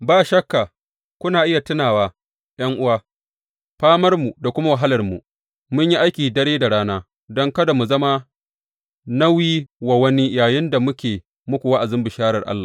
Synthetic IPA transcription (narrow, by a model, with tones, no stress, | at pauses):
baː˦˨ʃɐ˦kːa˨ | kʷʊ˦naː˨ʔɪ˦ja˨tɪ˦naː˨waː˦ | j̰ɐ˦ŋʔʊ˦waː˦ | ɸaː˦mɐ˦rmu˨da˨kʷʊ˦ma˦wa˨ɦa˦lɐ˨rmṵ˨ | mʊ˦ɲji˦ʔa˦jkʲiː˨dɐ˦ɽeː˦da˨ɽaː˦naː˦ | dɔ˦ŋkɐ˦da˨mu˨zɐ˦ma˦ | na˦wiː˦wa˨wɐ˦ni˦jaː˨jɪ˦nda˨mʊ˦kʲeː˨ | mʊ˦kʷu˨wa˦ʔa˨zɪ˦mbɪ˨ʃaː˦ɾɐ˨rʔa̰˦lːaː˨